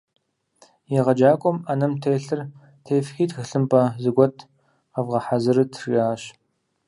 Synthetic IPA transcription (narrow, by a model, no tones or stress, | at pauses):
jɛʁɐd͡ʒaːkʷʼɔmanɐmtʰeːɬɨr | tʰeːfxiːtxɨɬɨmpʼɐzɨɡʷɔtʰ | ɐvʁɐħazɨɾɨtʰriaːɕ